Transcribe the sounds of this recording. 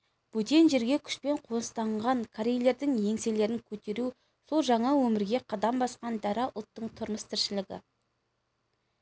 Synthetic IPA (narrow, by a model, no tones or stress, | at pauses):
b̥ut̪enʒe̞ɾɡʲekʲʰʏ̥ʃpe̞ɴqʰo̞nəst̪ɑɴʁɑŋkʰaɾejle̞ɾd̪ɪŋje̞ŋsele̞ɾɪŋkʲʰɵt̪e̞ɾu | so̞lˠʒɑɴɑwɵmɪɾɡʲe̞qʰɑd̪ɑmbɑsqɑnd̪æɾɑʔʊlˠt̪ːəɴt̪ʰʊɾməst̪ʰɪɾʃɪlɪɡʲɪ̰